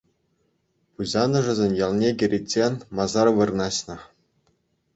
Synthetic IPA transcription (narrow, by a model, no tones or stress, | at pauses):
puʑɑnɤ̆ʐɘ̆zʲenʲjɑlˠnʲeɡʲɘ̆ɾʲitʲːenʲmɑzɑrʋɯrnɑɕnɤ̆